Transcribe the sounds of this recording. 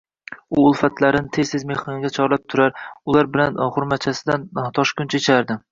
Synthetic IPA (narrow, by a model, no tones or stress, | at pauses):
ʊʊlˠfat̪ʰlaɾɪnɪt̪ʰezt̪ɪzmeχɒnɪɡʲat͡ʃʰɒɾlap̚t̪ʰʊɾaɾʊlˠaɾbɪlanχʊɾmat̪̚t͡ʃʰasɪd̪ant̪ʰɒʃkʲʊnt͡ʃʰet͡ʃʰaɾd̪ɪ